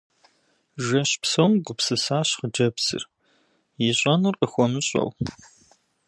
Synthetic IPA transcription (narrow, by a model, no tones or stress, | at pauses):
ʒɐɕpsowmɡʷʊpsɨsaːɕχəd͡ʒɐpsɨ̰r | jɪɕʼɐnɨrqəxʷɔmɨɕʼɐ̰w